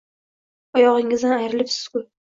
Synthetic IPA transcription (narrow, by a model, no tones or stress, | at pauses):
ɒjɒʁɪŋɪzanajɾɪlɪpsɪ̥z̥kʰʲʊ